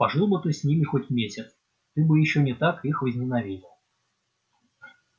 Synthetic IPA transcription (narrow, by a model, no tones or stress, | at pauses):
pɐʐɨlˠbət̪ɨsʲnʲimʲɪxotʲmʲesʲɪt̪s | t̪ɨbɨjɪɕːonʲɪt̪akixvəzʲnʲɪnɐvʲidʲɪlˠ